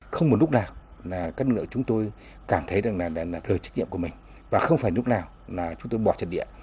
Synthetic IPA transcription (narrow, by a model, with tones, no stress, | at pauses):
xə˧wŋ͡mm˨˩t̚lʊ˦˥k̚naː˨˩wlaː˨˩kaː˧˦˥k̚nɨ˦klɨ̰˧˨˩t͡ɕʊ˨˦ŋ͡mt̪o˧j | kaː˧˩mt̪ʰə˨˦jza˨˩ŋlaː˨˩˨laː˨˩ləː˨˩t͡ɕ̟̚ɲḭ˧˨mku˧˩mï˨˩ŋ̟ | vaː˨˩xə˧wŋ͡mfaː˧˩jn˦ʊ˦˥t̚naː˨˩w | laː˨˩t͡ɕʊ˨˦ŋ͡mt̪o˧jɓɔ̰˨˩t͡ɕə̰˨˧˩n̚ɗḭ˧˨ə